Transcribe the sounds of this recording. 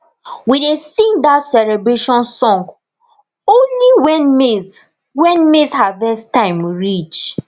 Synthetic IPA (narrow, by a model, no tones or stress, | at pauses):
widesĩndatsɛlɛbɹeʃɔ̃nsɔ̃ŋɡ | õnliwɛnme | wɛ̃nmeshavɛstãɪ̃mɹit͡ʃ